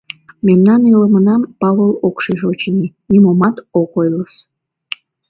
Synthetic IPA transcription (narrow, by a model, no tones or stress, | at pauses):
memnɑniləmənɑmpɑβolˠokʃiʒeut͡ɕəninʲimomɑt̪okojləʃ